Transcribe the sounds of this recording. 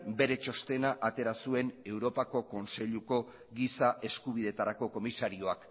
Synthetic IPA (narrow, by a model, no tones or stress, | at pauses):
be̞ɾe̞t͡ʃo̞st̪e̞naʔat̪e̞ɾasue̞ne̞wɾo̞pako̞ko̞nse̞ʎuko̞ | ɣisaʔe̞skuβið̞e̞t̪aɾako̞ko̞misaɾio̞ak